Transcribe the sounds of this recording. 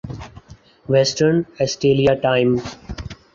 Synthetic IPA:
ʋɛsʈəɾnɛsʈeːliaʈãɪ̃m

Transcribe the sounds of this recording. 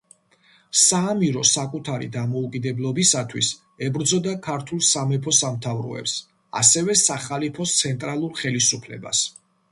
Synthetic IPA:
saːmiɾɔsakʼut̪ʰaɾḭd̪amɔukʼid̪ɛblˠɔbisat̪ʰwḭs | ɛbɾd̪zɔd̪akʰaɾt̪ʰulˠsamɛpʰɔsamt̪ʰavɾɔ̰ɛ̰ps | a̰sɛvɛsaχalipʰɔst̪sʰɛnt̪ʼɾalˠuɾχɛlisupʰlɛ̰ba̰s

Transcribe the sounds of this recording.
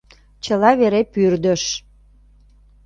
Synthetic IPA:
t͡ɕəlɑβeɾepyrd̪əʃ

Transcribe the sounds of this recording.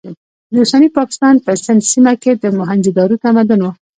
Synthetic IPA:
d̪usanipɑkɪ̥st̪ɑnpəsɪnd̪simaked̪əmʊɦand͡ʒid̪ɑɾut̪amad̪əno

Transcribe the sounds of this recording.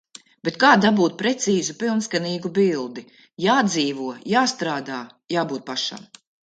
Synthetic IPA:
b̥et̪kaːd̪abuːt̪̚pɾɛt̪siːzupilˠnskaniːɡubilˠd̪i | jaːd̪ziːvuɔjaːst̪ɾaːd̪aː | jaːbuːt̪̚paʃa̰m

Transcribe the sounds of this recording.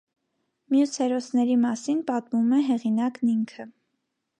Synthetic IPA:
mjushɛɾɔsnɛɾimɑsinpɑt̪mumɛɦɛʁinɑkniŋkʰə

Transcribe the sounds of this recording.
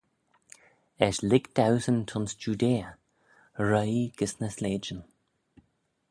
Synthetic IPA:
ɛʃlɪɡd̪̥awsənt̪ʰɔnsd͡ʒuːd̪eː | ɹəjɡ̥əsnəsleːd͡ʒən

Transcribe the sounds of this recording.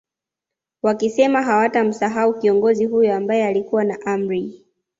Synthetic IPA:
wakisɛmaɦawatam̩saɦaukiɔŋɡɔziɦujɔambajɛalikuwanaʔam̩ɾi

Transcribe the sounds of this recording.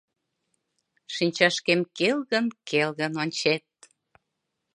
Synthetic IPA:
ʃinʲt͡ɕɑʃkemkelɣənkelɣənonʲt͡ɕet̪̚

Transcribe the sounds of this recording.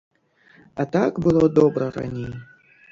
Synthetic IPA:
at̪aɡbɨlˠɔd̪ɔbɾɐɾa̰nʲejɛ

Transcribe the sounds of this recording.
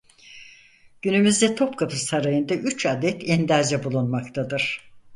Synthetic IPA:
ɟ̥ynymyzd̪ɛt̪ʰo̞pkʰapʰɯsaɾajɯnd̪aʔyt͡ʃʰad̪ɛt̪ʰɛnd̪aɾd͡ʒɛbulˠunmakt̪ʰad̪ɯɾ̥

